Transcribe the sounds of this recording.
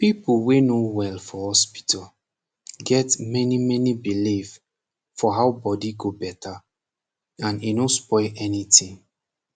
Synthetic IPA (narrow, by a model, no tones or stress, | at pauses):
pipuwenowɛlfɔhɔspi̥tʰal | ɡɛtmɛnimɛnibilif | fɔɦawbɔdiɡobɛtʰa | ãnenospɔɪʔɛnitĩŋ